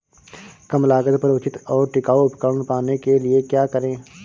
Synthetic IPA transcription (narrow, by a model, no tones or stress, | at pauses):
kəmlaːɡət̪pəɾʊt͡ʃɪt̪ɔːɾʈɪkaːoʊpkəːɳpaːnekeliekjaːkəɾẽː